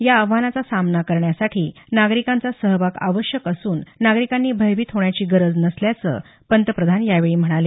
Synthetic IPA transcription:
jaəʋanat͡sasamnakəɾɳjasaʈʰiː | naɡɾikãnt͡sasəɦʋaka̰ʋəɕjəkəsuːnːaɡɾikanːiːbʱəjʋiːt̪ɦoɳjat͡ɕiːɡəɾəd͡znəsljat͡sə̰ː | pənt̪əpɾəd̪ʱanjaʋeɭiːm̤əɽ̃ale

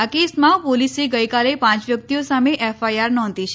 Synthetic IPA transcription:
akesmãpoliseɡəjkalepãt͡ʃʋjək̚t̪ijosameʔɛfajaɾnɔ̃nd̪it͡ʃʰ

